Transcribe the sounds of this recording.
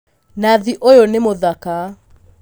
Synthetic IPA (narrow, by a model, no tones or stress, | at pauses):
naðiʔojonemoðaka